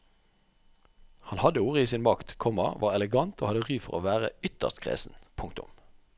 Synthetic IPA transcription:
hɑnhɑd̪əuːʁəiːsiːnmɑkt̪kʰɔmɑʋʔɑːʁɛləɡɑnt̪oːhɑd̪əʁyːfɔʁoːʋæːʁə̰ʏt̪ə̰ʁst̪kʰʁḛːsn̩pʰʊŋkt̪ʊ̰m

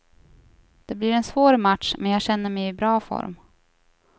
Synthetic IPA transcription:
d̪̥ɛblɪɾɛnsvoːɾmat̪ʂmʔɛnjɑːɡɕɛnːəmɛjɪbɾɑːfɔ̰ɾm

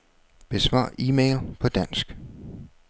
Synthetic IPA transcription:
b̥e̝sʋɑ̰̈ːiːmeɪlpʰɒ̽d̥æn̰sɡ̥

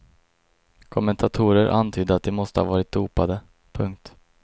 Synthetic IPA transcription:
kʰɔmɛnt̪ʰat̪ʰuːɾəɾʔa̰nt̪ʰyːd̪əat̪̚d̪ɛmɔst̪əha̰vɑːɾɪt̪̚d̪uːpad̪ə | pʰɵŋk̚t̪

